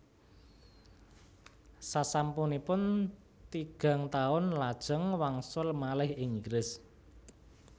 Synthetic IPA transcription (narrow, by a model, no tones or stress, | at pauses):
sasampunipʊn | t̪iɡ̥a̤ŋt̪aʊnlad̥ʒ̥ə̤ŋwaŋsʊlmalɪhɪŋiɡɾɪs